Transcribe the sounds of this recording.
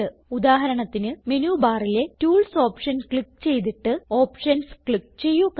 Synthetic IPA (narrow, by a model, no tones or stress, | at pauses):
ɨud̪aːɦɐɾɐɳɐt̪ːinɨme̞nuːbaːrile̞tuːlso̞ːpʂɐnkɭik̚ːt͡ɕe̞jt̪̬iʈːɨo̞ːpʂɐnskɭik̚ːt͡ɕe̞jːuk